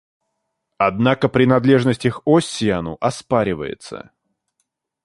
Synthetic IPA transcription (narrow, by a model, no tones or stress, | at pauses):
ɐd̪nakəpɾʲɪnɐd̪lʲe̞ʐnəsʲtʲɪxosʲːɪjanʊ̰ʔɐspaɾʲɪvə̰jɪ̰t̪sə̰